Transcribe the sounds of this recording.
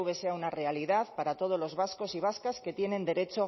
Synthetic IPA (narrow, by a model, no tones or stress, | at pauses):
βe̞se̞aunare̞aliðaðpaɾat̪o̞ð̞olo̞zβasko̞siβ̞askaske̞t̪je̞nẽ̞nd̪e̞ɾet͡ʃo